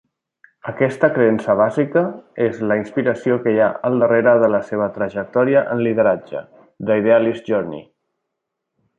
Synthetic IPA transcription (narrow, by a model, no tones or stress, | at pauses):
əkɛst̪əkɾəɛnsəβ̞azikəezləinspiɾəsiokəjaəlˠd̪əreɾəðələseβ̞ət̪ɾəʒək̚t̪ɔɾiəʔənlið̞əɾad͡ʒə̰ | d̪əiðealizʒɔɾnḭ